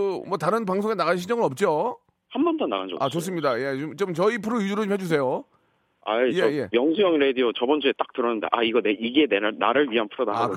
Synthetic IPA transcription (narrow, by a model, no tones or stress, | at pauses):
mwʌtaɾɯnpaŋsʰoŋe̞naɣaɕ̬ʰid͡ʑʌŋɯɾʌp̚t͡ɕ͈o | hambʌntʰʌnːa̰ɣand͡ʑʌ̰at͡ɕos͈ɯmɲidajet͡ɕomt͡ɕʌnt͡ɕʌipʰɯɾojud͡ʑuɾoomhʰed͡ʑus̬ʰe̞jo | a̰jeʌe̞mjʌŋsʰujʌŋɾediot͡ɕʌbʌnd͡ʑʰuet͈ak̚tɯɾʌnɯndḛʔaiɡʌneiɡeneɾana̰ɾɯɭɥiɦanpʰɯɾodaa